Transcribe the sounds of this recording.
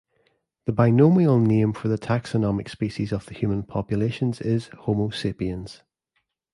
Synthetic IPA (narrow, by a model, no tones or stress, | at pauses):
ðəbaɪnomiəlˠnẽmɱfə˞ðətʰaksənɔmɪkspiʃizəv̥ðəhjʉːmə̃npʰɔpjəlˠeʃə̃nzɪz̥homosɪpiə̃nz̥